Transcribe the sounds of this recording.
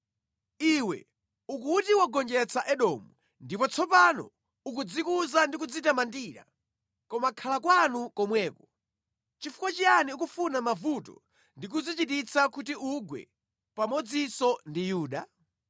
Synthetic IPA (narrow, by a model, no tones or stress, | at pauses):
iwɛ̰ | uk̬utiwaɡɔnd͡ʒɛt͡sʰaʔɛɗɔmu | ndipɔt͡sʰɔpanɔ̰ | uk̬ud͡zikuzandik̬ud͡zitamandiːɾa̰ | kɔmakʰalakwanukɔmwɛːkɔ | t͡ʃifu̥kwat͡ʃianiuk̬ufunamavutɔ̰ | ndik̬ud͡zit͡ʃitit͡sʰakutiuɡwɛ̰ | pamɔd͡zisɔndijuːɗa